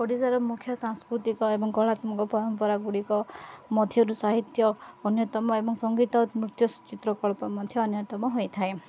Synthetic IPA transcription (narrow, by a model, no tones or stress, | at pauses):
kɔɽisaɾɔmukʰjɔsaŋskɾut̪ikɔebɔŋɡɔɭat̪mɔkɔpɔɾɔmpɔɾaɡuɽikɔmɔd̪ʱjɔɾusaɦit̪jɔːnjɔt̪ɔmɔebɔŋsɔŋɡit̪ɔmɾut̪jɔst͡ʃit̪ɾɔkɔɭpɔmɔd̪ʱjɔːnjɔt̪ɔmɔɦojt̪ʰae